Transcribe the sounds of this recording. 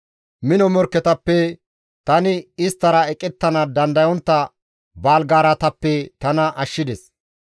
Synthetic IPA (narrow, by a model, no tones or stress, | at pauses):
mɪnɔmɔɾkːɛt̪ɐpːɛ | t̪ɐnɪɪst̪ːɐɾɐɛkʼɛt̪ːɐnɐd̪ɐnd̪ɐjɔnt̪ːɐ | baːlɡaːɾɐt̪ɐpːɛt̪ɐnɐʔɐʃːɪd̪ɛs